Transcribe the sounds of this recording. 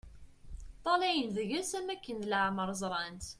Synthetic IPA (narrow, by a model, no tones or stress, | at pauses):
t̪ˤːɑlæjənðəʝæsæmækːənd̪ləʕməɾˤzˤɾˤɑnt̪